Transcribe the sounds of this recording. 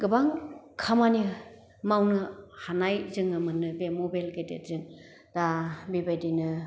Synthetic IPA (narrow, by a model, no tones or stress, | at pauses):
ɡɯbaŋ | kʰamani | mawnɯhanajzɯŋɯmɯnɯbemɔbalɡetḛt̚zɯŋ | d̥abibajdinɯ